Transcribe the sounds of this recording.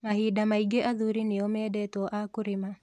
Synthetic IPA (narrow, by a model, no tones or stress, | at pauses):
mahidamaiɡeʔaðuɾinɪɔmɛːdɛtwɔʔakuɾima